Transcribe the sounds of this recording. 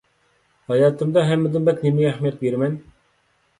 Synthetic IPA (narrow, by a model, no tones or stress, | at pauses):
hɑjɑːt̪ʰɨmd̪ɑɦɛmːɪd̪ɪnbɛt̪nemɪæhmijɑt̪̚beɾmɛn